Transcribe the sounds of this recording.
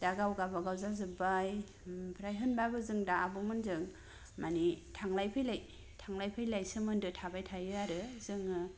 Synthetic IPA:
d̥aɡawɡabaɡawzazɯbaj | pʰɾajɦɯnbabɯzɯŋdaːbɯmɯnzɯŋ | manitʰaŋlajpʰɯjlaj | tʰaŋlajpʰɯjlajsɯmɯndɯtʰabajtʰajɯaɾɯzɯŋɯ

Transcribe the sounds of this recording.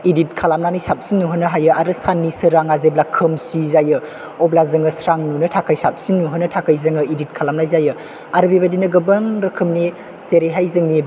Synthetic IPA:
idit̚kʰalamnanijsap̚sinːuɦɯnɯɦajɯaɾɯsanːisɯɾaŋazeblakʰɯmsizajɯ | ɔblazɯŋɯsɾaŋnunɯtʰakʰajsap̚sinːuɦɯnɐtʰakʰajzɯŋɯidit̚kʰalamnajzajɯ | aɾɯbibadinɐɡɯbɐŋɾɯkʰɯmni | seɾeɦajzɯŋni

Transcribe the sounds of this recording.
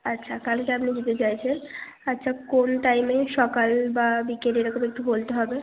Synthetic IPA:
atːɕʰakalkeapnid͡ʑit̪et͡ɕajt͡ɕʰen | atːʃʰakonʈajmeʃɔkalbabikeʈeɾɔkomek̚ʈubolt̪eɦɔbe

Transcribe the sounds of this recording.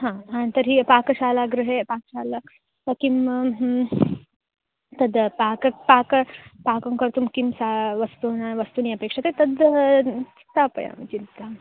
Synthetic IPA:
ɦãant̪əɾɦipakɕaːlaɡɾɨɦepakɕala | kim | t̪əd̪pakəpakəpakɐŋkəɾt̪umkimsaʋɐst̪unaʋɐst̪uniɐpeːkʂat̪et̪ɐd̪ | t̪apə̰ja̰mɐt͡ʃint̪a

